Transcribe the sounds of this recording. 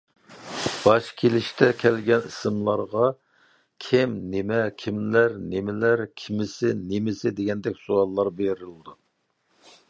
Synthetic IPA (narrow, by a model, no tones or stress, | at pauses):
b̥ɑʃkʲʰelɪʃt̪ʰɛkʲʰɛlɡʲɛnisɨmlˠɑɾʁɑ | kʲʰɪmnemɛkʲʰimlæɾnemɪlæɾkʲʰimɪsɪnemɪsɪd̪eɡʲɛnd̪ɛkʲsoɑlˠːɑɾbeɾɪld̪u